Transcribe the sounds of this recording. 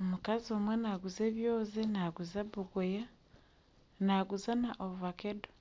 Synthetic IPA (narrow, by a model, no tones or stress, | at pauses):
omukazio̞ːmwenaɡuzeːβjoːzenaɡuzaβuɡoja | naɡuzanaʔoβuβakedo̥